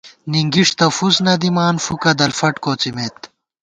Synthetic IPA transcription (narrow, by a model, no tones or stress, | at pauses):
niŋɡiʂt̪ɐfusnɐd̪imaːnfukɐd̪ɐlfɐʈkoːt͡simeːt̪̚